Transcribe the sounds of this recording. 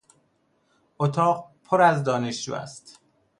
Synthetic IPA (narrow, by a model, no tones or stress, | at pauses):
ʔot̪ʰɒːɢpʰoɾæzd̪ɒːneʃd͡ʒṵːæ̰st̪